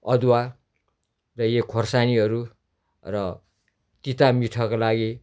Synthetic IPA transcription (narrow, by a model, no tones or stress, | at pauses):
ʌd̪wa | rʌjekʰorsaniɦʌɾu | rʌ | t̪it̪amiʈʰʌkolaɡi